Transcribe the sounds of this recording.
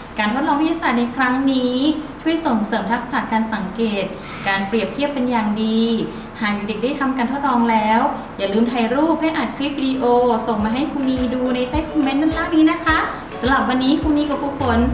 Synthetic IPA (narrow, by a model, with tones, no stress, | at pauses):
kaː˧nt̪ʰo˦˥t̪̚lɔː˧ŋpi˦˥ja˧aː˨˩na˧jkʰɾa˦˥ŋniː˦˥t͡ɕʰu˥˩əjso˨˩ŋsɤː˩˦mt̪ʰa˦˥k̚sa˨˩kaː˧nsa˨˩˦ŋkeː˨˩t̪̚ | kaː˧npɾi˨˩əp̚t̪ʰi˥˩əpːe˧njaː˨˩ŋdiː˧ | h̪ʰaː˨˩k̚juː˨˩de˨˩k̚daː˥˩jt̪ʰa˧mkaː˧t̪ʰoː˥˩t̪̚lɔː˧ŋlɛː˦˥w | jaː˨˩lɯː˧mt̪ʰaː˧˩jɾuː˥˩p̚hlɛː˦˥˩ʔaː˨˩t̪̚kʰɾi˦˥p̚ːdiː˧ʔoː˧so˨˩ŋmaː˧ɦa˥˩jkʰuː˧niː˧duː˧na˧jt̪aː˥˩jkʰo˧mːe˦˥nːa˧˥˩np̪ʰaː˥˩k̚niː˦˥na˦˥kʰa˦˥ | sa˧la˨˩p̚wa˧nːiː˦˥kʰu˧niː˧˥kɔː˨˧˩pʰuː˧˩kʰo˧˩n